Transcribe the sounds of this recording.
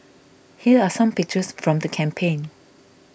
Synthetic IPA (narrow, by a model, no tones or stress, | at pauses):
hiəasãmpɪk̚t͡ʃəsfɹɔ̃mdəkʰɛ̃mpʰẽn